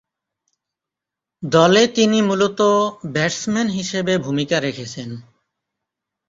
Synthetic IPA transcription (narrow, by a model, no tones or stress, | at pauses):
d̪ɔlet̪inimulot̪obɛɾsmenɦiʃebebʱumikaɾekʰet͡ɕʰen